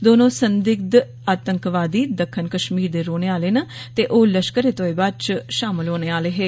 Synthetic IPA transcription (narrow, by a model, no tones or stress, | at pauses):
d̪oːnõːsənd̪ɪk̚d̪ | aːt̪əŋkʋaːd̪iːd̪əkʰːənkəʃmiːɾd̪eːɾoːneːaːleːnaːt̪eːʔoːləʃkəɾeːt̪õːeːbaːt͡ʃʃaːmɪlɦoːneːaːleːɦeː